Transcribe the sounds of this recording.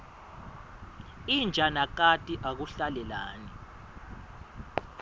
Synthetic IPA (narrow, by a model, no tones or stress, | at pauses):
ind͡ʒʱanak̬atʼiʔak̬uɬalɛlaːni